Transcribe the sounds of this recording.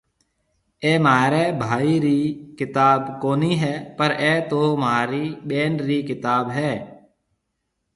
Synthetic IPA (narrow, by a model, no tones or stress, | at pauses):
eːmaːɾeːbʱaːiːɾiːkɪt̪aːbkoːniːɦɛːpəɾɛːt̪oːmaːɾiːɓeːnɾiːkɪt̪aːbɦɛː